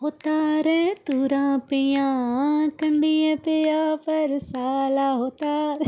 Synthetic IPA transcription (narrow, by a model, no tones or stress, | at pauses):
ɦoːt̪aːɾɛt̪uːɾãːpijãːkəɳɖiẽpeaːpəɾsaːlaːɦoːt̪aːɾ